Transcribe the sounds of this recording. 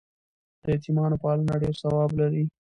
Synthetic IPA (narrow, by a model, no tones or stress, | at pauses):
d̪̥əet̪imɑnopɑlanaɖeɾsawɑblaɾi